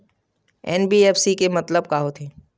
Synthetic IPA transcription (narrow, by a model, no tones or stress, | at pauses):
ɛ̰nbiɛːfsikemɐt̪ləb̚kaɦot̪ʰeː